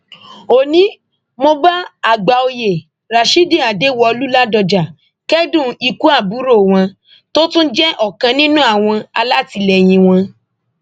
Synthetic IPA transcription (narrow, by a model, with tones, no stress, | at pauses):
o˨nĩ˨˦ | mo˧ba˦a˨ɡ͡ba˨o˧je˨ | ɾa˨ʃi˦dĩ˦˨a˨de˨˦wɔ˧o˧lu˦la˦dɔ˧d͡ʒa˨ | kɛ˦dũ˦˨i˧ku˦a˦˨bu˨˦ɾo˦˨w̃ɔ̃˧ | to˦tũ˦d͡ʒɛ˦ʔɔ˨kã˧nĩ˦nũ˦a˦˨w̃ɔ̃˧a˧la˦ti˧lɛ˨j̃ĩ˧w̃ɔ̃˧